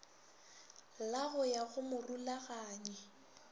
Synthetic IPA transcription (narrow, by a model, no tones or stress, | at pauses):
laɣʊjaɣʊmʊrulaɣaːɲɛ